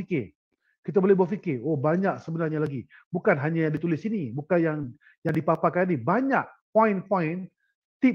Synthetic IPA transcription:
ikɪ | kit̪abolɛbuatfikɪobaɲak̚səbənarɲalaɡibukanɦaɲajaŋdit̪ulɪsinibukanjaŋ | jaŋdipapakannibaɲaʔ̚pɔinpaɪn | t̪i

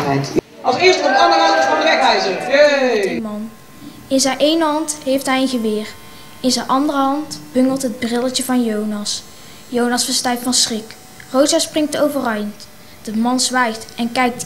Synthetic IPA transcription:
ɑlˠsɪːstəɔpɑŋəɡaəfɑndəʋɛkɛjzəjømɑn | ɪnzɛjʔejnəɦɑntɦejftɦɛjənχəʋɪːr | ɪnzɛjnʔɑndərəɦɑntb̥ɵŋəlˠtɦəd̚brɪləəvɑnjownɑs | jownɑsfəɹstɛjk̚tfɑnsrɪk | rowzəsprɪŋk̚towvərœjənt | d̥əmɑnzʋɛjxtɛnkɛjk̚t

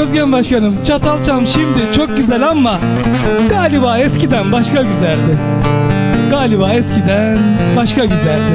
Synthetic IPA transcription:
øzɟænbaʃkanɯmt͡ʃʰat̪ʰalˠt͡ʃʰamʃimd̪ɪt͡ʃʰo̞k̚ɟyzælʲamːa | ɡaːlʲibaːɛscid̪ænbaʃkaɟyzælʲd̪ɪ | ɡaːlʲibaːɛscid̪ænn | baʃkaɟyzælʲd̪ɪ

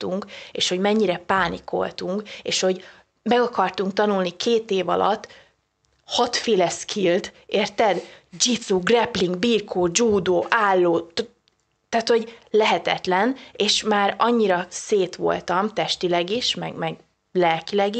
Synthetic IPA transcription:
t̪uŋkeːʃho̞ɟmɛɲːiɾɛpaːniko̞̰lt̪uŋkḛːʃho̞ɟ | mɛɡɒkɒrt̪uŋk̚t̪ɒnulnikʰeːt̪eːvɒ̰lɒ̰t̪ː | hɒt̪feːlɛskʰilt̪ | eːrt̪ɛd̪d͡ʒit̪suɡrɛpliŋɡbirkʰoːd͡ʒuːd̪oːʔaːlːoːt̪ | t̪aːt̪ho̞ɟlɛɦɛt̪ɛt̪lɛneːʃmaːɾɒɲːiɾɒseːt̪ʋo̞̰lt̪ɒmt̪ɛʃt̪ilɛɡiʃmɛ̰ɡmɛɡ | lɛlkilɛɡi

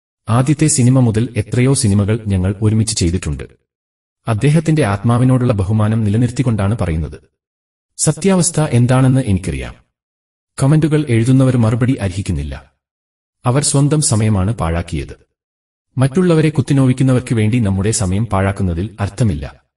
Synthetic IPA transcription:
aːd̪jɐt̪ːe̞sinimɐmuðɐle̞t̪rɐjo̞ːsinimɐɣɐɭɲɐŋːɐɭoɾumit͡ɕːɨ̥t͡ɕe̞jt̪̬iʈːuɳɖɨ̰ | ɐd̪ːe̞ːɦɐt̪ːinde̞aːt̪maːʋino̞ːɽuɭːɐbɐɦumaːnɐmnilɐniɾt̪ːikːo̞ɳɖaːɳɨpɐrɐjunːɐðɨ | sɐt̪jaːʋɐst̪ʰɐʔe̞nd̪aːɳe̞nːɨʔe̞nikʲːirḭja̰ːm | komenduɣɐɭe̞ɻuðunːɐʋɐɾmɐrubɐɽiʔɐɾiɦikʲːunːilːɐ̰ | ɐʋɐrswɐnd̪ɐmsɐmɐjɐmaːɳɨpa̰ːɻaːkːijɐ̰ðɨː | ɐtːuɭːɐʋɐɾe̞kut̪ːino̞ːʋikʲːunːɐʋɐrkɨʋe̞ːɳɖinɐmːuɽe̞sɐmɐjɐmpaːɻaːkːunːɐðilɐrt̪ʰɐmilːɐ̰

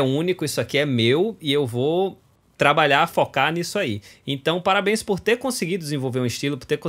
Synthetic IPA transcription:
ũnikʊisʊakiɛmewiewvo | t̪ɾabaʎaɾfokanisʊaiẽnt̪ɐ̃w̃paɾabẽj̃spoɾt̪eɾkõsɪɡid̪ʊd̪ɪzẽvowveɾũɪʃt͡ʃilʊpoɾt̪eɾkõ

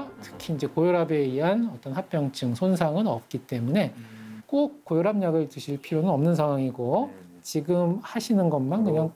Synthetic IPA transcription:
tʰɯ̥kʰiːnd͡ʑe̞kojoɾabe̞iɦanʌt͈ʌnɦap͈jʌŋt͡ɕ͈ʰɯŋsʰonsʰaŋɯnʌp̚k͈it͈e̞mune̞k͈ok͈̚ːojoɾɦamɲaɡɯɭt͡ɕ͈ɯɕʰiɭpʰiɾjonɯnʌmnɯnsʰaŋwaŋiɡo | t͡ɕiɡɯmhaɕʰinɯnɡʌnmankɯɲaŋ

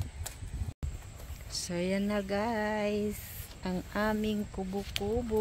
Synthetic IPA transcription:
sajanaɡa | s | ʔaŋaːmɪŋkubʊkubʊ

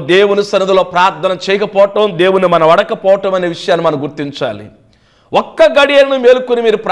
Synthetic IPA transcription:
d̪e̞ːwunisɐnud̪ɐlo̞ːpɾaːɾt̪ʰɐnɐmt͡ʃɛjɐkɐpɔːɐʈɐmd̪e̞ːwunːimɐnɐʋɐɽɐkɐpɔːʋɐʈɐmɐneːʋiʂɐjaːnːimɐnɐmɡuɾt̪iɲt͡ʃa̰ːlḭ | wɔkːɐɡɐɽijɐlɐnumeːlukunimiːɾupɾ

